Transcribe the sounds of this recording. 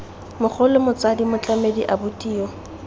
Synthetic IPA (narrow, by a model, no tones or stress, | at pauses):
mʊk͡xʰɔlʊmʊt͡sadimʊt͡ɬamediʔabʊtʼiːɔ